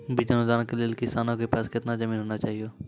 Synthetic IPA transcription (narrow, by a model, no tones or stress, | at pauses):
bid͡ʒənũd̪aːnkelelkɪsaːnõːkepɛːskɪt̪naːd͡ʒəmĩːnɦoːnaːt͡ʃaːɦijoː